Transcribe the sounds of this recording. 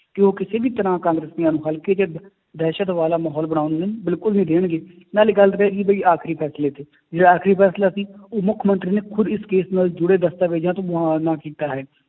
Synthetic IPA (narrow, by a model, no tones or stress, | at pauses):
kɪoːkɪseːbiːt̪əɾãːkãːŋɡɾesniaːnũːɦəlkeːt͡ʃ | d̪ɛːʃət̪ʋaːlaːmaːɦɔːlbəɽ̃aːʊnd̪enbɪlkʊlnĩːd̪eːɳ̃ɡeː | naːleɡəlt̪ɾeːɡiːbəiːaːkʰɾiːpʰɛːsleːt̪ʰeː | d͡ʒeːɽaːaːkʰɾiːpʰɛːslaːsiːoːmʊkʰmənt̪ɾiːneːkʰʊd̪ɪskeːsnaːld͡ʒʊɽeːd̪əst̪aːʋeːd͡ʒãːt̪õːɦãːnaːkiːt̪aːɦɛː